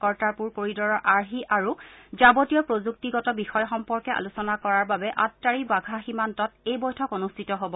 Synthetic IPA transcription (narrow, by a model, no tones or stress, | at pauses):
kɔɹtaɹpuɹkoɹidɔɹɔɹʔaɹɦiʔaɹuzabotijɔpɹozuk̚tiɡɔtɔbixɔjɔxɔmpɔɹkɛʔa̰lusɔnakɔɹaɹbabɛʔatːaɹibaɡʱaximantɔtejbɔjtʰɔkonustʰitɔɦobɔ